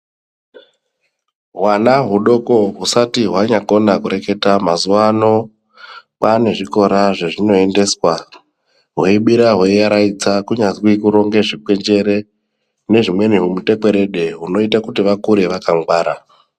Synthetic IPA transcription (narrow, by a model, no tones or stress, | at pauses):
ɦwanaɦuɗo̞ko̞ɦusatiɦwaɲako̞nakuɾe̞ke̞tamazuʋano̞ | pane̞ʐiko̞ɾaʐe̞ʐino̞e̞nde̞swa | ɦweiɓiɾaɦweiaɾait͡sakuɲazwikuɾo̞ŋɡe̞ʐik͡pwe̞nd͡ʒe̞ɾe̞ | ne̞ʐimwe̞niɦumute̞kwe̞ɾe̞ɗe̞ɦuno̞itakutiʋakuɾeʋakaŋɡwaːɾa